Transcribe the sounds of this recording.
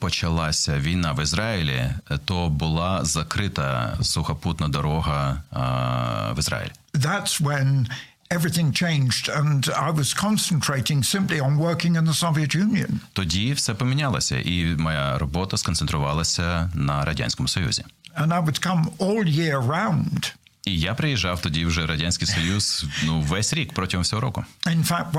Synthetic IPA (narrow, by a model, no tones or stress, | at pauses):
pɔt͡ʃɐlˠɑsʲɐʋʲijnɑʋɪzɾɑɪlʲḭt̪ɔbʊlˠɑzɐkɾɪt̪ɐ̰sʊxɐput̪nɐd̪ɔɾɔɦɐ | ʋɪzɾa̰jɪ̰lʲi | ðætswə̃n | ɛvɹiθɪ̃ŋt͡ʃʰẽɪ̃nd͡ʒdə̃na̰ɪwʌz̥kʰɑ̃nsn̩tʰɹ̥eɪɾɪ̃ŋsɪ̃mpliə̃nwɜ˞kɪ̃ŋɨ̃nðəsoʊviɨtjʉ̃njɨ̰̃nt̪ɔdʲifsɛpɔmʲɪnʲalˠɐ̰sʲɐ̰ʔimɔjaɾɔbɔt̪ɐskɔnt̪ɛnt̪ɾʊʋɑlˠɐsʲɐnɐɾɐdʲa̰nʲsʲkɔmʊsɔjṵzʲɪ̰ə̃naɪwɨd̥kʰʌ̃mɔlˠjɪɹə˞ãʊ̃nd̥ | ijapɾɪjɪʒːɑwt̪ɔdʲiwʒɛɾɐdʲanʲsʲkɪjsɔjuz̥nuʋɛsʲɾʲikpɾɔtʲɪɦɔmfsʲɔɦɔɾɔkʊɪ̃nfæk̚t̚